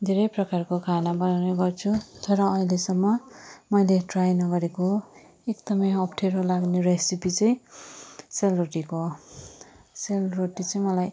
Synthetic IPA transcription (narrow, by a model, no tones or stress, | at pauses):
d̪ʱeɾʌjprʌkarkokʰanabʌnawneɡʌrt͡sʰut̪ʌɾʌːĩlesʌmːʌmʌjleʈrajnʌɡʌɾeko | ekd̪ʌmʌjʌpʰʈʰeɾolaɡneɾesipit͡sʌj̃ | selroʈiko | selroʈit͡sʌj̃mʌlaj